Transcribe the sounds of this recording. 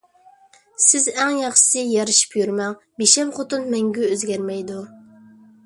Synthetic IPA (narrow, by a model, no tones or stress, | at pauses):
sɪzɛŋjɑχʃɨ̥sɨjɑɾɨʃi̥pjyɾmɛŋ | beʃɛmχot̪ɨnmɛŋɡʲyøzɡʲɛɾmɛjd̪u